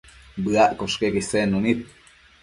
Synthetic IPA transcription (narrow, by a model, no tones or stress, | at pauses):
bɨaʔkoʃkekisenunit̪̚